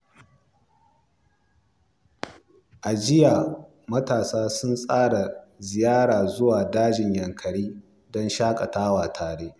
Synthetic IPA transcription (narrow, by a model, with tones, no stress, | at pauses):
ʔa˨d͡ʒɪ˦ja˨ | mɐ˦taː˨saː˦sʊ˦nsʼaː˦ɽa˨zɪ˨jaː˦ɽaː˨zʊ˦waː˨daː˦d͡ʒɪ˨ɲjɐ˨ŋkʰɐ˨ɽiː˦ | dɔ˦nʃaː˦kʼɐ˨taː˦waː˨tʰaː˨ɽeː˦ʔ